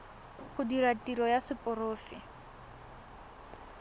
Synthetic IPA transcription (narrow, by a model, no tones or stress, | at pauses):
χʊdiratiɾɔjasɪpʊroːfɪ